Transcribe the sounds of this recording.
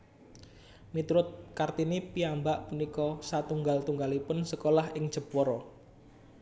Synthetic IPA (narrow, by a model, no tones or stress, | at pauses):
nit̪uɾʊt̪̚kart̪inipiambaʔpunikɔsat̪uŋɡalt̪uŋɡalipʊnsəkolahɪŋ̥ʒ̥ə̤pɔɾɔ